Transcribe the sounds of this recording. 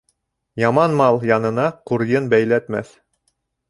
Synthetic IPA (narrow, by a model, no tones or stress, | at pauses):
jɑmɑnmɑlˠjɑnɤ̆nɑquɾjɤnbæjlæt̪mæ̰θ